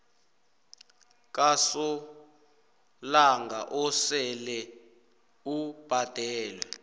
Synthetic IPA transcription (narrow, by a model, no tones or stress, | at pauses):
k̬ʼasɔ | laŋɡʱa̰ʔɔsɛlɛ | ub̥ʱad̥ʱɛːlwɛ